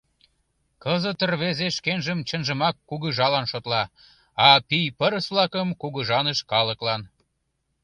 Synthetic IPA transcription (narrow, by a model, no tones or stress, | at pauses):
kəzət̪ərβezeʃkenʒəmt͡ɕənʒəmɑkːuɣəʒɑlɑnʃot̪lɑ | ɑpijpəɾəsβlɑkəmkuɣəʒɑnəʃkɑləklɑn